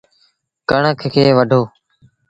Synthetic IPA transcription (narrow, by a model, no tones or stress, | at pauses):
kəɳəkʰkʰeːʋəɖʱoː